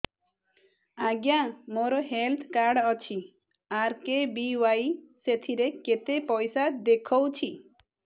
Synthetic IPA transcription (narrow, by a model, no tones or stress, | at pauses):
aɡjamoɾɔɦelt̪ʰkaɾɽɔt͡ʃʰi | aɾkebiwajset̪ʰiɾeket̪epɔjsad̪ekʰɔwt͡ʃʰi